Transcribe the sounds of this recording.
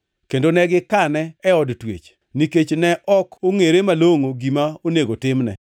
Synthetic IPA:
kendonɛɡɪkanɛːɔdtwḛt͡ʃ | niket͡ʃnɛʔɔkoŋeɾemaloŋoɡimaoneɡotɪmnɛ̰

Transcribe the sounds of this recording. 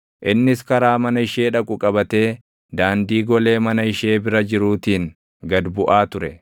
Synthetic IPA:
ʔɪnːɪskɐɾaːmɐnɐɪʃe̞ːᶑɐkʼʊkʼɐbɐt̪e̞ː | d̪aːnd̪iːɡɔle̞ːmɐnɐɪʃe̞ːbɪɾɐd͡ʒɪɾuːt̪iːŋ | ɡɐd̪bʊʔaːt̪ʊɾɛ̰

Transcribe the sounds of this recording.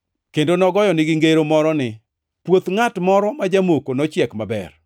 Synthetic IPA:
kendonɔɡɔjɔnɪɡɪŋɡeɾomɔɾɔnɪ | pwot̪ŋatmɔɾɔmad͡ʒamokonɔt͡ʃjɛkmabɛ̰r

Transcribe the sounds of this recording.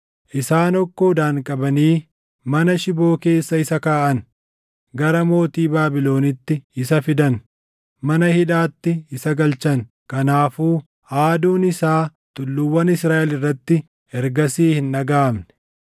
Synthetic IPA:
ʔɪsaːnɔkːo̞ːd̪aːŋkʼɐbɐniː | mɐnɐʃɪbo̞ːke̞ːsːɐɪsɐkaːʔɐn | ɡɐɾɐmo̞ːt̪iːbaːbɪlo̞ːnɪt̪ːɪɪsɐfɪd̪ɐn | mɐnɐhɪᶑaːt̪ːɪɪsɐɡɐlt͡ʃɐŋ | kɐnaːfuː | aːd̪uːnɪsaː | t̪ʼʊlːʊwːɐnɪsɾaːʔɛlɪrːɐt̪ːɪ | hɛɾɡɐsiːhɪnʔɐɡaːmnɛ̥

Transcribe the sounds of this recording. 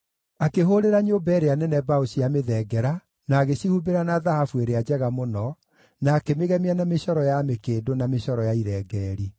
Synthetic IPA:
akeɦoɾeɾaɲobɛɾeanɛnɛbaoɕijameðɛɡɛɾa | naːɣeɕihubeɾanaðahafueɾead͡ʑɛɣamonɔ | naːkemeɣɛmeanameɕɔɾɔjamekeːdonameɕɔɾɔjaiɾɛːɡɛːɾi

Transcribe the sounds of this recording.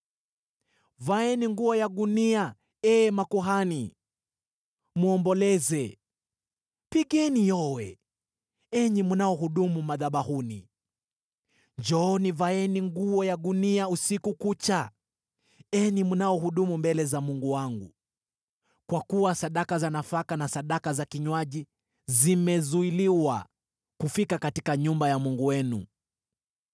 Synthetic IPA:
vaɛniŋɡuɔjaɠunia | ɛmakuɦani | muɔmbɔlɛzɛ | piɠɛnijɔwɛ | ɛɲimunaɔɦuɗumumaðaɓahunḭ | nd͡ʒɔːnivaɛniŋɡuɔjaɠuniausikukut͡ʃa | ɛnimunaɔhuɗumumbɛlɛzamuŋɡuwaŋɡṵ | kwakuwasaɗakazanafakanasaɗakazakiɲwaʄi | zimɛzuiliwa | kufikakatikaɲumbajamuŋɡuwɛnṵ

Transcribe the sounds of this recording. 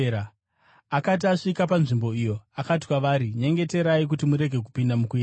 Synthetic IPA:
a | akat̬iaʂikapanʐimbo̞ijo̞akat̬i̥kwaʋaːɾiɲe̞ŋɡe̞te̞ɾaik̬utimuɾe̞ɡʱe̞k̬upindamukui

